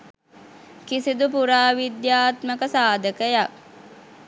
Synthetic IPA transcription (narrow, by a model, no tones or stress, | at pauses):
kisid̪upuɾaːʋid̪jaːt̪məkəsaːd̪əkəja